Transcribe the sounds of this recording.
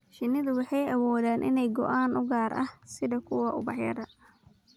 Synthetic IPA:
ʃɪnɪðʊwɑħɑjɐwɔːðaːnʔɪ̰nɛjɡɔ̰ʔaːnʊɡaːrɐhsɪðɐkʰʊwɐʔʊbɑħjɐ̰ɾɐ

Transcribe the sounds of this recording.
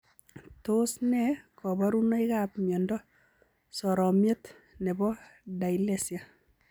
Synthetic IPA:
tosnɛkɔbaɾunɔikapmjɔndɔ | sɔɾɔmjet | nɛbɔdailɛsja

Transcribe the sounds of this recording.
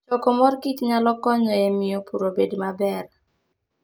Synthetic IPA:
t͡ʃɔkɔmɔrkitɲalɔkɔɲɔɛmɪjopuɾobedmabɛr

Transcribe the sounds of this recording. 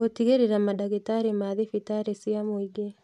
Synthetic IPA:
otiɣeɾeɾamadaɣetaɾemaðefitaɾesiamwiɡe

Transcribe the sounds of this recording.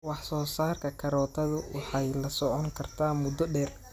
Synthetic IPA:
wɑħsɔːsaːrkʰɐkʰɐɾɔːt̪ʰɐðʊwɑħɑjlɐsɔʕɔŋkʰɐrt̪ʰaːmʊd̪ɔɖɛːr

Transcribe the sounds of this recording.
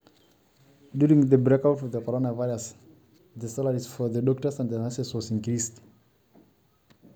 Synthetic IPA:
djuɹɪ̃ŋðəbɹekaʊtɔvðəkʰɔɹonavaɪɹəs | ðəsaləɹizfɔðədɔk̚təsãndðənasɛswɔsɪ̃nkɹist

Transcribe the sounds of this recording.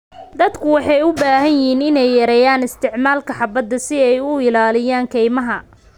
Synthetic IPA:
d̪ɐd̪kʰʊwɑħɑjʊbaːɦɐnjɪɦiːnɪnɛjːɐɾɛːjaːnɪst̪ʰɪʕmaːlkʰɐħɑbɐd̪ɐsɪɛjʊɪlaːlɪjaːŋkʰɛjmɐɦɐ

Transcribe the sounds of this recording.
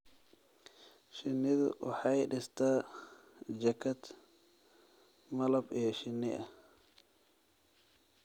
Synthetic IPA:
ʃɪnːɪðʊ̰ʔʊħajɗɪst̪a | d͡ʒɐkːɐt̪ | mɐlɐbɛːʃɪnːɪ̰ʔɐ

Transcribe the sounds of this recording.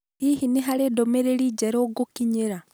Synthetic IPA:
hihiniɦaɾeːdomeɾeɾid͡ʒeɾoːɡukiɲiɾa

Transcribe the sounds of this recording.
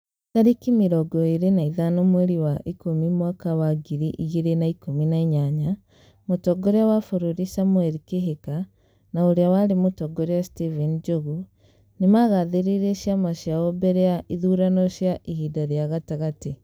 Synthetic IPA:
taɾikimiɾɔɡɔeɾenaiðanomwɛɾiwaʔikomimwakawaɡiɾiʔiɣiɾenaikominaiɲaɲa | motɔɡɔɾeawafoɾoɾisamwɛɾikeɦeka | naoɾeawaɾemotɔɡɔɾeastivind͡ʒoɣu | nemaɣaðeɾiɾeʃjamaʃjaɔbɛɾɛaʔiðuɾanɔɕjaʔihidaɾjaɣataɣate

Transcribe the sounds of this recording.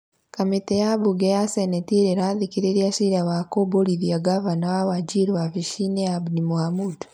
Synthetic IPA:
kametejabuɡejasenetiɾeɾaðikiɾeɾjasiɾawakoboɾiðiaɡavanawawaɟiɾwafiʃineabdimuhamud

